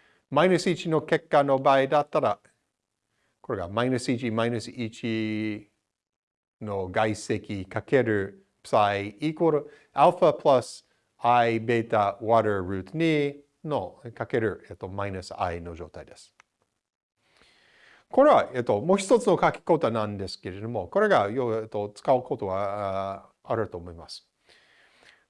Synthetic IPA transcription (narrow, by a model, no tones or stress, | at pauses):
majnɨsɨit͡ʃino̞ke̞kːano̞baid̪at̪ːaɾa | ko̞ɾe̞ɡa̰maɪnɨsit͡ʃimajnɨsɨit͡ʃi | no̞ɡaise̞kʲikake̞ɾɯ | psajikoɾo | alfapʰlas | ajbe̞t̪awaɾə˞ɾʉ̟ːt̪ni | nokake̞ɾɯ̟et̪ːomainɯsɨa̰ino̞d͡ʒo̞ːt̪aid̪̥e̞sɨ̥ | ko̞ɾe̞βaʔet̪ːo̞moːçi̥t̪o̞t͡sɨno̞kakʲi̥ko̞t̪onãnd̪e̞sɨ̥ke̞ɾe̞d̪o̞mo̞ko̞ɾe̞ɡajoet̪ːot͡sɨ̥kaɯkot̪oɡa | aɾɯ̟t̪o̞ːmo̞imasɨ̥